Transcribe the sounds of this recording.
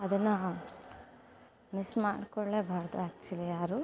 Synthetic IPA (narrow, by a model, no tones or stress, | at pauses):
ɐd̪ɐnːɐ | mismaːɖkoɭːebʱɐɭd̪aɐkt͡ʃɐlijaːɾu